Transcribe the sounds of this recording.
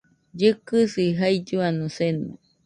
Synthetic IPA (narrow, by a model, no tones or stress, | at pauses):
d͡ʒɨkɨsiɦaid͡ʒuanõsenṵ̃